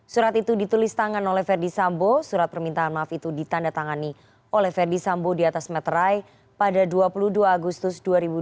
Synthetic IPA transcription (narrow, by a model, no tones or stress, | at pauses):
suɾat̪it̪udit̪ulɪst̪aŋanolɛhfɛrdisambosuɾat̪̚pərmint̪aanmaːfit̪udit̪andat̪aŋani | olɛhfɛrdisambodiat̪asmɛt̪raj | padaduapuluduaːɡust̪ʊsduaɾibu